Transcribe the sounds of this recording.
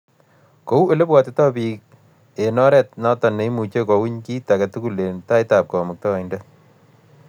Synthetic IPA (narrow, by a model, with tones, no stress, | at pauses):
ko˦u˦e˨le˦pwa˨tetɔ˦pik̚ | enɔ˦ɾɛ˨tnɔ˦tɔ˨ne˨˦mu˨t͡ʃekɔ˨wi˦ɲki˦ta˨kɛtu˦ku˨le˨nta˦jta˨p̚kɔ˨mu˨k̚tɔ˦a˨inda